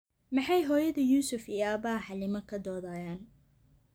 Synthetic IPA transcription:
mɑħɑjɦɔːjɐðɐjuːsʊfijɐːbaːħɑlɪmɐkʰɐd̪ɔːðaːjaːn

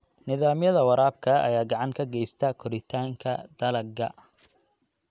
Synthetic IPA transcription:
nɪðaːmjɐðɐwɐɾaːb̚kʰɐɐ̰jaːɡɑʕɑŋkʰɐɡɛjst̪ʰɐkʰɔɾɪt̪ʰaːŋkʰɐ̰d̪̥ɐlɐɡɐ

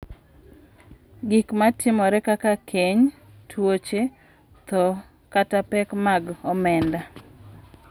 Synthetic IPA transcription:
ɡikmatɪmɔɾɛkakakʰeɲ | tʰwot͡ʃe | t̪ɔ | katapɛkmaɡɔmɛnda

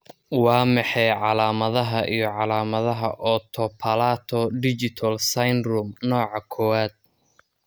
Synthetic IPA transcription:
wɑːmɑħɛjʕɑlaːmɐðɐɦɐʔijɞʕɑlaːmɐðɐɦɐ̰ʔɔt̪ʰɔpʰɐlaːt̪ʰɔɖɪt͡ʃɪt̪ʰɐlsɐjnrʊmnɔːʕɑkʰɔwaːd̪̥̚

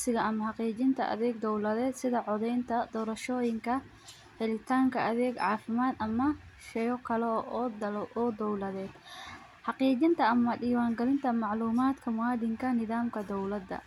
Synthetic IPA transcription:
sɪɣɐɐmɐħɑqiːt͡ʃɪnt̪ʰɐʔɐ̰ðɛːɡ̚d̪ɔwlɐðɛːd̪sɪðɐʕɔðɛjnt̪ʰɐd̪ɔːɾɐʃɔːjɪŋkʰɐ | ħɛlɪt̪ʰaːŋkʰɐʔɐðɛːɡʕɑːfɪmaːd̪ɐmɐʃɛjɔkʰɐlɛʔʔɔːd̪ɔwlɐðɛːd̪ | ħɑqiːt͡ʃɪnt̪ʰɐɐmɐɖiːwaːŋɡɐlɪnt̪ʰɐmɑʕluːmaːd̪kʰɐmʊwaːd̪ɪŋkʰɐnɪðaːmkʰɐd̪ɔwlɐd̪ːɐ̰

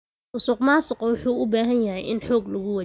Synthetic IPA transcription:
ʔʊsuːqmaːsʊqɔwʊħuːʔʊbaːɦɐnjɐɦɛjʔɪnħɔːɡlɐɣʊwa

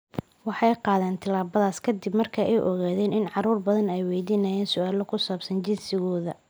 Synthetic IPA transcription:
wɑħɑjqɑːðɛːnt̪ʰɐlaːβɐðaːskʰɐd̪ɪbmɐrkʰɐʔɛjʔɔɣaːðɛːnɪnʕɑɾuːrbɐðɐnɛjwɛːjd̪iːnɐjɛːnsʊaːlɔkʰʊsaːbsɐnt͡ʃɪnsɪɣɔːðɐ

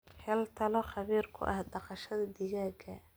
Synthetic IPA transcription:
hɛlt̪ʰɐlɔχɑβiːrkʰʊ̰ʔɐhɖɑqɑʃɐðɐd̪ɪɣaːɡɐ

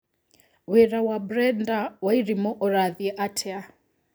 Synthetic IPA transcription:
wɛɾawabɾɛndawaiɾimɔʔɔɾaðiɛʔatʰɛa

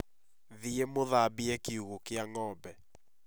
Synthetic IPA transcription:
ðiemoðabiɛkeuɣokeaŋɔbɛ

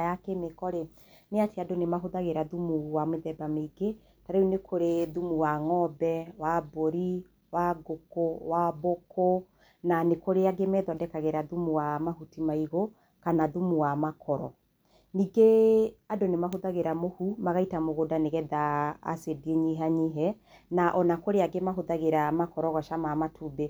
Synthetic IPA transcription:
jakemekɔɾe | neateadonemaɦoðaɣeɾaðumuwameðɛbameɡe | taɾeunekʰoɾeðumuwaŋɔbɛwaboɾi | waɡokowabokʰo | nanekoɾeaɡemɛðɔdɛkaɣeɾaðumuwamahutimaiɣo | kanaðumuwamakʰɔɾɔ̰ | niːɡeadonemaɦoðaɣeɾamohumaɣaitamoɣodaneɣɛða̰ːsedieɲiɦaɲiɦɛ | naʔɔnakoɾeaɡemaɦoðaɣeɾamakɔɾɔɣɔʃamamatʰuːbe

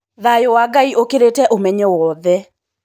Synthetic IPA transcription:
ðajɔwaɡaiʔokeɾetɛʔomɛɲɛwɔðɛ

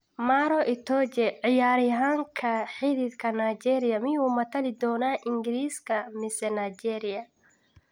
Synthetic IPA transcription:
maːɾɔʔɪt̪ʰɔt͡ʃɛʕɪjaːɾɪɦaːŋkʰɐħɪðɪdkʰɐnaːt͡ʃɛːɾɪjɐmɪjuːmɐt̪ʰɐlɪd̪ɔːnaːʔɪŋɡɪɾiːskʰɐmɪsɛnaːt͡ʃɛːɾɪjɐ

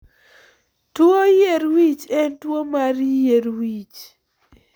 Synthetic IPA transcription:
twojeɾwit͡ʃɛntwomaɾjeɾwit͡ʃ

